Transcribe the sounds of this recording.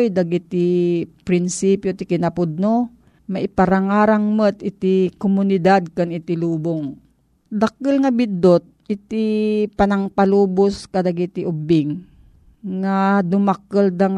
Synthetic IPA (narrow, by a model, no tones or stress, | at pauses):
jd̪ɐɡit̪ipɾɪnsipjot̪ikɪnapʊd̪̚no | maʔɪpɐɾaŋaːɾaŋmət̪ɪt̪ikomʊnɪd̪ad̪̚kanɪt̪ɪluːboŋ | d̪ɐk̚əlŋɐbɪd̪ot̪̚ʔɪt̪ipanaŋpaluːbʊskɐd̪aɡit̪ɪʔʊbɪŋː | ad̪ʊmakəld̪aŋ